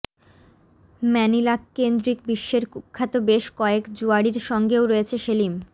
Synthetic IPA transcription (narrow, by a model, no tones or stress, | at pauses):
mɛnilakːend̪ɾik̚biʃːeɾkukʰːat̪obeʃkɔekd͡ʑuaɽiɾʃɔŋɡeoɾojet͡ɕʰeʃelim